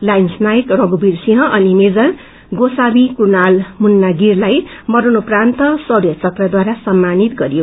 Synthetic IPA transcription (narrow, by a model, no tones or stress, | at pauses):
lajnsnajkrʌɡubirsiɦʌ̃ʔʌnimed͡zʌr | ɡosabikunalmunːaɡirlajmʌɾunuprant̪ʌsʌbjʌt͡sʌt̪rʌd̪waɾasʌmːanit̪ɡʌɾijo